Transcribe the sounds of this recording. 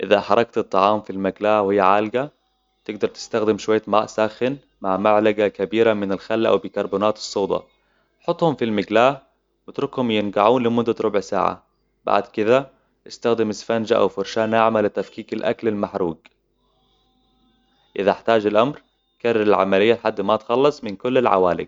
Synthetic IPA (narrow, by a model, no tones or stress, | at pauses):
ʔɪðaħɑɾˤɑkt̪ɨt̪ˤːɑʕɑːmfilmaɡlaːwhɪjːaʕaːlɡa | t̪ɪɡ̚d̪ɑɾˤt̪ɪ̥st̪axd̪ɪmʃʊwajːamaːʔsaːxɪn | maʕmaʕlaɡakabiːɾamɪnɪlxalːaʔa̰wbɪkɑɾˤbuːnaːt̪ɨ̥sˤːoːd̪ˤɑ̰ | ħʊt̪ˤːhʊmfilmɪɡlaː | wɪt̪ɾʊkhʊmjɪnɡaʕuːnlɪmʊd̪ːaɾˤʊbʕsa̰ːʕa̰ | ba̰ʕd̪kɪd̪a | ʔɪst̪axd̪ɪmɪsfand͡ʒaʔa̰wfʊɾʃaːnːaʕmalɪt̪afkiːkalʔa̰klalmaħɾṵːɡ | ʔɪðaħt̪aːd͡ʒɪlʔamɾ | karˤːɑɾɪlʕa̰malɪjːaħad̪ːmat̪xɑlːɑsˤmɪnkʊlːɪlʕa̰waːlɪ̰ɡ̚